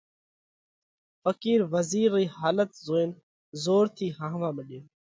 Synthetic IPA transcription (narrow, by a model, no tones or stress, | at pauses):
fəkiːɾʋəziːɾːiːhaːlət̪zoːeːn | zoːɾt̪ʰiːɦãːɦʋãːməɗjoː